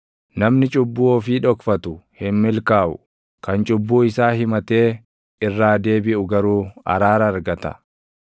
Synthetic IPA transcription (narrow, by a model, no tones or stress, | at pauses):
nɐmnɪt͡ʃʼʊbːuːɔfiːᶑɔkfɐt̪ʊhɪnmɪlkaːʔʊ̰ | kɐnt͡ʃʼʊbːuːɪsaːɦɪmɐt̪e̞ː | ɪrːaːd̪e̞ːbɪʔʊɡɐɾuːɐ̰ɾaːɾɐːɾɡɐt̪ɐ̥̰